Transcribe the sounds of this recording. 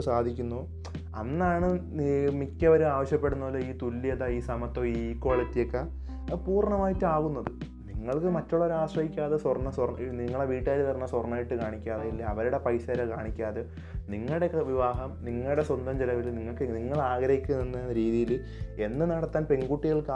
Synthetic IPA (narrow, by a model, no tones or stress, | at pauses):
saːd̪ʱikʲːunːoː | ɐ̰nːaːɳɨmikʲːɐʋɐɾuaːʋɐɕjɐpːe̞ɽunːɐloiːt̪ulːiɐðaiːsɐmɐt̪ːo̞ːiikːo̞ːɭɐt̪ːijekːɐ | puːrɳɐmaːjitːɨaːɣunːɐðɨ | niŋːɐɭkɨmɐtːoɭːoɾuaːswɐɦikʲːaːðeswɐrɳːɐsɐrniŋːɐɭeʋiːʈːaːjilɨt̪ɐrɐnːɐswɐrɳaːjiʈːɨkaːɳikʲːaːðeilːɐɐʋɐɾuɽe̞pɐjsɐːɾɐkaːɳikʲːaːðe | niŋːɐɭɽeʋiʋaːɦɐmniŋːɐɭuɽe̞swɐnd̪ɐmt͡ɕelɐʋilniŋːɐɭkɨniŋːɐɭaːɡɾɐɦikʲːunːenːɐɾiːðijil | e̞nːɨnɐɽɐt̪ːaːnpe̞ŋɡuʈːiɣɐɭk